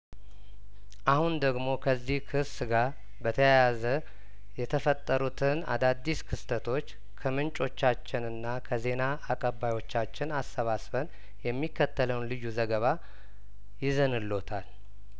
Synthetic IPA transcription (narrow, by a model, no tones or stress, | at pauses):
ʔahund̪əɡmo̞kʰəzːihkʰɨsɨɡaɾ | bət̪ʰəjajazə | jɛt̪ʰəfət̪ʼːəɾut̪ʰɨna̰d̪ad̪ːiskʰɨst̪ʰət̪ʰo̞t͡ʃː | kʰəmɨnt͡ʃʼo̞t͡ʃːat͡ʃːɪnɨnːakʰəze̞naːkʼəbːajo̞t͡ʃːat͡ʃːɪnasːəβasbən | jɛmːikʰːət̪ːələwnlɨjːuzəɡəβa | jɪzənɨlːo̞t̪ʰal